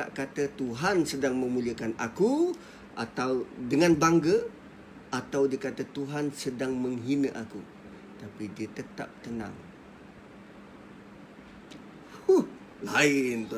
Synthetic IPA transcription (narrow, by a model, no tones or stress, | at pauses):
t̪a̰ʔkat̪ət̪uɦansədaŋmə̃muliəkanaku | ʔa̰t̪awdəŋanbaŋɡə | ʔat̪awdiəkat̪ət̪uɦansədaŋməŋɦinəʔaku | t̪apidiət̪ət̪a̰p̚t̪ənã̰ŋ | laɪnt̪